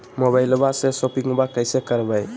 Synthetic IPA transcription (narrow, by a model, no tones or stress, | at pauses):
moβajlbasesopiŋbakəjsekəɾbəj